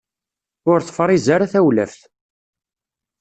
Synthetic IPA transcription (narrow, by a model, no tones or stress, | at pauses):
ʊɾθfɾˤizaɾaθæwlæ̰fθ